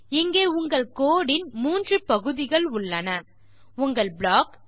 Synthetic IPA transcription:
ɪŋɡeːʊŋɡɐɭkoːɽɪnmuːndrɯpɐɣɯðɪɣɐɭʊɭːɐnɐ | ʊŋɡɐɭbɭaːk

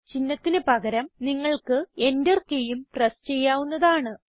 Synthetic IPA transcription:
t͡ɕinːɐt̪ːinɨpɐɣɐɾɐmniŋːɐɭkɨe̞nderkejumʈrest͡ɕe̞jːaːʋunːɐðaːɳɨ

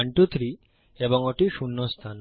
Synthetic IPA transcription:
ɳʈut̪ʰɾi | eboŋoʈiʃunːost̪ʰan

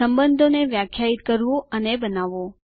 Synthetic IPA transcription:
əmbənd̪ʱoneʋjakʰːjait̪kəɾʋũənebənaʋõ

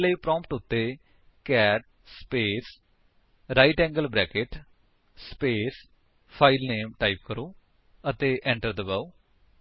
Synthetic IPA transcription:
ləiːpɾɔ̃ːmpʈʊt̪ːeː | kɛːʈ̚ | speːs | ɾaːiʈɛ̃ːŋɡəlbɾɛːkɪʈ | speːs | pʰaːɪlneːmʈaːip̚kəɾoː | ət̪eːʔɛ̃ːɳʈəɾd̪əbaːu

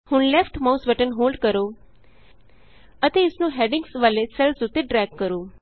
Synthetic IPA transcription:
hũnlɛfʈmasbəʈənɦolɖkəɾo | ət̪eɪsnũɦeɖɪ̃ŋɡsʋalesɛlsut̪ʰeɖɾɛɡkːəɾũ

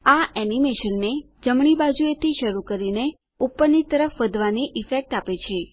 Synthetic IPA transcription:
aɛnimeʃənːe | d͡ʒəmɳ̃ibad͡ʒuet̪ʰiʃəɾukəɾine | upːənːit̪ːəɾəfʋəd̪ʱʋaniʔifek̚ʈapet͡ʃʰe

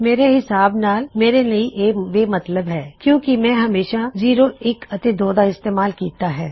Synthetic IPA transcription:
meːɾeɦɪsaːbnaːlmeːɾeliiʔeːʋeːmɐt̪ləbɦɛːkjõːkimɛ̃ɦɐmeːʃaziːɾoɪkɐt̪ed̪oːd̪aɪst̪eːmaːlkiːt̪aɦɛː

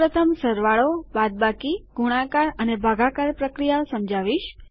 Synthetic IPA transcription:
ɾət̪ʰəmsəɾʋaɭobad̪̚bakiɡ̥uɽ̃ãkaɾənebʱaɡakaɾpɾəkɾijaosəmd͡ʒaʋiʃ

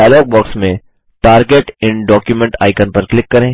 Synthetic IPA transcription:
aːlɔːɡ̚bɔːksmẽ | ʈaːɾɡeʈɪ̃ɳɖɔːkjumɛ̃ɳʈa̰ːɪkənpɐɾklɪkːɐɾẽː

